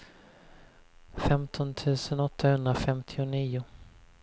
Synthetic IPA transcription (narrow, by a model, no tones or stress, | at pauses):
fɛmt̪ʰɔnt̪ʰʉ̟ːsənɔt̪ʰːahɵnd̪ɾafɛmt̪ʰɪʊniːʊ